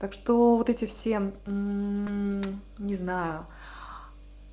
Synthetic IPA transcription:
t̪akʂt̪ovot̪ɛtʲɪfsʲe̞ | nʲɪznajʊ

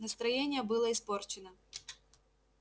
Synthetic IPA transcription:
nɐst̪ɾɐjenʲɪjəbɨlˠəɪsport͡ɕɪnə

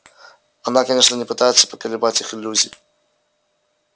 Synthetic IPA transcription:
ɐnakɐnʲe̞ʂnənʲɪpɨt̪ajɪt̪sə̥pə̥kəlʲɪbatʲixɪlʲːuzʲɪj

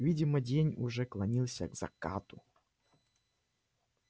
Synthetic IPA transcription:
vʲidʲɪmədʲenʲʊʐɛklˠɐnʲilˠsʲə̰ɡz̥ɐ̰ka̰t̪ʊ

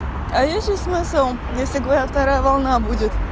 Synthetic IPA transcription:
ɐjesʲt̪ʲlʲɪsmɨsəlˠ | jesʲlʲɪɡəvɐɾʲaft̪ɐɾajəvɐlˠnabudʲɪt̪

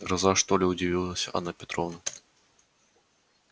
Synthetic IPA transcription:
ɡɾɐzaʂt̪olʲɛʊdʲɪvʲilˠəsʲɐa̰napʲɪt̪ɾɔvnɐ

